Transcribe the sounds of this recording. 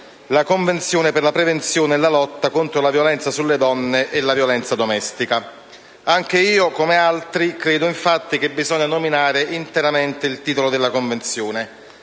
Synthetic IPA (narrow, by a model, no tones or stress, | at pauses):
lakoɱvent̪sjoːneperlapɾevent̪sjoːneːlːalɔt̪ːakont̪ɾolavjolɛnt̪sasulːed̪ɔnːeʔelːavjolɛnt̪sad̪omɛst̪ika | aŋk̟eiːokomealt̪ɾikɾeːd̪oiɱfat̪ːik̟ebːizɔɲːanominaːɾeʔint̪eɾament̪eilt̪iːt̪olod̪elːakoɱvent̪sjoːne